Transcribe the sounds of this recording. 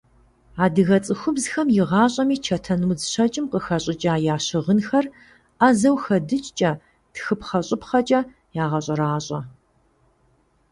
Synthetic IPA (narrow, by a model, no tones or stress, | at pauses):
aːdɨɣɐt͡sʼɨxʷʊbzxɐmjɪʁɑːɕʼɐmiːt͡ʃʰɐtʰɐnuːzɕɐt͡ʃʼɪmqəxɐɕʼɪt͡ʃʼaːjaːɕɪʁənxɐr | aːzɐwxɐdɨt͡ʃʼt͡ʃʼɐ | tʰxɨpχɐɕʼɪpχɐt͡ʃʼɐ | jaːʁɐɕʼɐɾaːɕʼɐ